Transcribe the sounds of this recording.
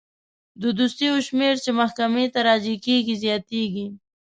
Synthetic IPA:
d̪əd̪ust̪ijoʃmeɾt͡ʃemaxkamet̪aɾɑzikeɡizjɑt̪eɡi

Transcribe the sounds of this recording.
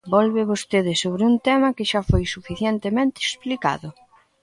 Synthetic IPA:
bɔlβeβost̪eðɪsoβɾɪunt̪ɛmɐkɪʃafojsufiθjɛnt̪emẽnt̪ɪeksplika̰ðʊ

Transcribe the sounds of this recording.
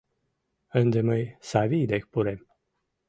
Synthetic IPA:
ɨnd̪eməjsaviːd̪ekpuɾem

